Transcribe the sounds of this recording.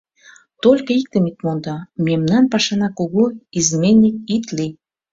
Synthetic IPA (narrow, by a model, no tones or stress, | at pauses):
t̪olʲkəik̚t̪ə̆mit̪mond̪ɑmemnɑnpɑʃɑnɑkoɣoizmenːik̚it̪li